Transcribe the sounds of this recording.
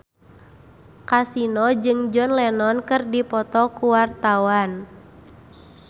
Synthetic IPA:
kasinɔd͡ʒɨŋd͡ʒɔnlɛnɔnkɨrdipɔt̪ɔkuwart̪awan

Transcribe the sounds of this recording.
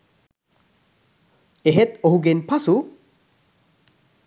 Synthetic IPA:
eɦet̪oɦuɡenpʰasu

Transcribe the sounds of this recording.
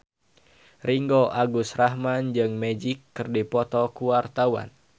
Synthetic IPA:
riŋɡoʔaɡusrahmand͡ʒɨŋmed͡ʒikːɨrdipɔt̪ɔkuwart̪awa̰n

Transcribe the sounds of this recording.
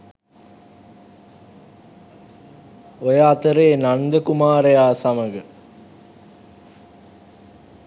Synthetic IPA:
ojəat̪əɾeːnand̪əkumaːɾejaːsaməɡə

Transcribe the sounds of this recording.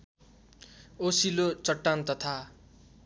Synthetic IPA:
osilot͡sʌʈːant̪ʌt̪ʰa

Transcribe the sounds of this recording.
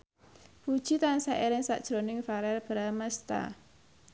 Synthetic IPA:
pud̥ʒ̥it̪ansaʔeɾɪŋsaʔd̥ʒ̥ɾonɪŋfaɾɛlb̥ɾamast̪a̰

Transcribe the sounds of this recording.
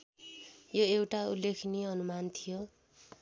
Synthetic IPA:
joewʈaulːekʰniʌnumant̪ʰijo

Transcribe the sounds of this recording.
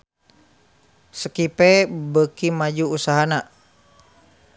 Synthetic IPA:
səkipebəkimad͡ʒuːsaɦana

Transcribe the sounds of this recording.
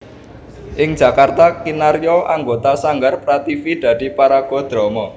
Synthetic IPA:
ʔɪŋ̥d͡ʒ̥ä̤kart̪akinarjoʔaŋɡot̪asaŋɡarpɾat̪ifid̪̥ä̤d̥̪i̤paɾaɡ̥ɔ̤d̪̥ɾɔmɔ

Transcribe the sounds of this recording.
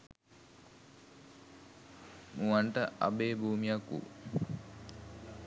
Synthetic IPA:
muʋaɳʈəʔa̰beːbʱuːmijakṵ

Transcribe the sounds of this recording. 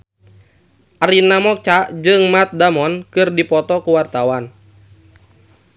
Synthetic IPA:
ʔaɾinamɔk̚t͡ʃad͡ʒɨŋmat̪̚damɔnkɨrdipɔt̪ɔkuwart̪awan

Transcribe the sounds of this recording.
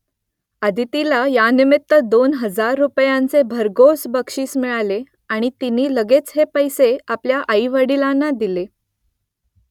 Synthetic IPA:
əd̪ʱit̪ilajanimit̪ːəd̪onɦəd͡zaɾːupjant͡sebʱəɾɡosbəkʂiːsmiɭale | aɽ̃it̪iniːləɡet͡sɦepəjseapljaʔəiʋəɽilanːad̪ile

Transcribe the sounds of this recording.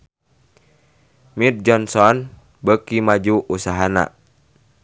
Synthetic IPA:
mit̪̚d͡ʒɔnsɔn | bəkimad͡ʒuʔusaɦana̰

